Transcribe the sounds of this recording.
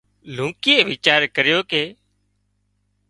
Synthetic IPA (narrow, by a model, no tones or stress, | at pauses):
l̤ũːkɪeːʋɪːt͡ʃaːɾkəɾjoːkeː